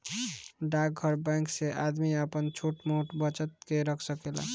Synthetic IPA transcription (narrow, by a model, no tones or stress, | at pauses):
ɖak̚ɡʱəɾbãkseʔad̪miəpənt͡ʃʰuʈmoʈbət͡ʃət̪̚keɾəkʰsəkela̰